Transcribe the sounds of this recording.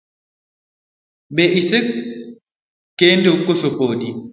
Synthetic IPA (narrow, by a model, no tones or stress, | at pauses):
bɛʔise | kendokosopodi